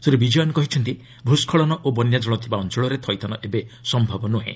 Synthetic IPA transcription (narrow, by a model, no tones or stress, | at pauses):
suɾebid͡ʒɔjɔnkɔɦit͡ʃʰɔnt̪i | bʱuskʰɔɭɔnɔʔobɔnjad͡ʒɔɭɔt̪ʰibaɔnt͡ʃɔɭɔɾet̪ʰɔjt̪ʰanɔʔebesɔmbʱabɔnuɦḛ̃